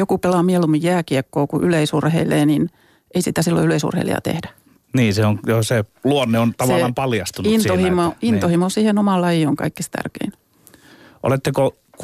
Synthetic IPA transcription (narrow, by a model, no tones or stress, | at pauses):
jokupelɑmielumijjæːkiekːoːkuʔyleisurheileːnin | eisit̪æsilːo̰yleisṵrhḛilḛɑ̰t̪ḛhdæ | niːseoŋjoseluonːeont̪ɑʋɑlːɑmpɑljɑst̪unuinsohimoint̪ohimosiːhenomɑlːɑjioŋkɑ̰ikːist̪æ̰rkḛin | ʔo̰let̪ːeko | k